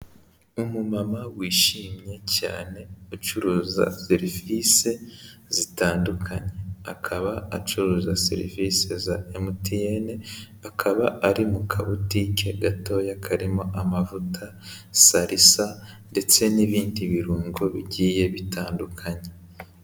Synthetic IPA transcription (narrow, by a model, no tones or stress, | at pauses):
umumamawiːʃiːmɲe̞ca̰ːne̞ut͡ʃuɾuːza̰seɾivise̞z̥itaːndukʰaɲe̞akʰaβaa̰t͡ʃuɾuːzasḛɾḭvise̞zaemutijene | akʰaβaaɾimukʰaβutike̞ɡato̞jakʰaɾimo̞ʔamavutʰa | saɾʔisa | nde̞t͡se̞niβiːndiβiɾuːŋɡo̞βiɟiːje̞βitʰaːndukʰaɲe̞